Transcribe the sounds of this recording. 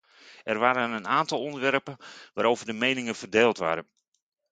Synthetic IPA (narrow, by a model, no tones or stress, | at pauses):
ɛrʋaːɾənənaːntɑlˠɔndərʋɛrpənʋaːɾowvərdəmejnɪŋəv̥ərdeːlˠtʋa̰ːɾən